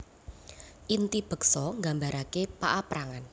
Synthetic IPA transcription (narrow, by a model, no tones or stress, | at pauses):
ʔint̪ib̥ə̤ksɔŋɡambaɾakepaʔapɾaŋan